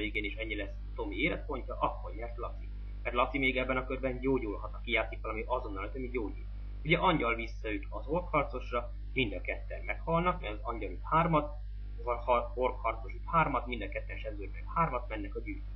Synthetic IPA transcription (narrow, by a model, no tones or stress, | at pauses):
eiɡeːniʃɛɲːilɛsːt̪o̞mieːlɛt̪̚po̞ɲcɒʔɒkːorɲɛrt̪lɒt̪si | mɛrt̪lɒt̪simeːɡɛbːɛnɒkørbɛnɟoːɟulɦɒt̪ɒkijaːt̪sik̪ʋɒlɒmiɒzo̞nːɒlɒt̪ømiɟoːɟṵl | uɟɛʔɒɲɟɒlvisːɒyt̪ɒzo̞rkhɒrt̪so̞ʃrɒ | mind̪ɒkɛt̪ːɛnmɛkhɒlnɒkmɛɡɒzɒɲɟɒlyt̪haːrmɒt̪ | ɒhɒho̞rkhɒrt̪soʃyt̪haːrmɒt̪mind̪ɒkɛt̪ːɛnʃɛbzørmɛkhaːrmɒt̪mɛnːɛkɒɟyːl